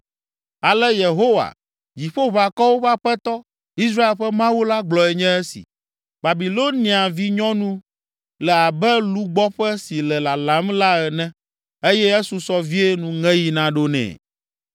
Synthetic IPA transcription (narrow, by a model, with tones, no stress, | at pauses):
a˨lɛ˦je˨ɦo˦wa̰˨ | d͡ʑi˨ɸo˦βa˨kɔ˦wo˦ɸa˦ɸɛ˦t̪ɔ˦ | i˦s̬ɾa˦e˨lɸɛ˦mã˦wu˦la˦ɡ͡blɔ˨ɛ˨ɲɛ̃˦ɛ˦sḭ˨ | ba˨bi˨lo˦nĩ˨a˨vi˦ɲɔ̃˦nũ˦ | lɛ˨a˨bɛ˦lu˦ɡ͡bɔ˦ɸɛ˦si˨lɛ˨la˨la˨˦mla˦ɛ˨nɛ̃˦ | e˦jɛ˦e˦su˨sɔ˦vi˦e˦nũ˨ŋɛ̃˦ji˨nã˦ɖo˦nɛ̰̃ː˨